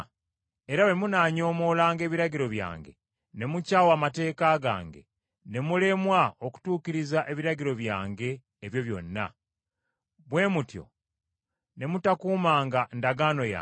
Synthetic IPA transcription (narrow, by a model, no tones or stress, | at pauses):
e̞ɾawe̞munaːɲo̞ːmo̞laːŋɡe̞ːβiɾaɟiɾo̞βja̰ːŋɡe̞̰ | ne̞mucaːwaːmate̞ːkaɡa̰ːŋɡe̞̰ | ne̞mule̞mwaoku̥tuːciɾizaʔe̞βiɾaɟiɾo̞βjaːŋɡe̞ː | βjo̞βjo̞̰nːa̰ | βwe̞ːmutjo̰ | ne̞mutakuːmaːŋɡaʔndaɡaːno̞ja̰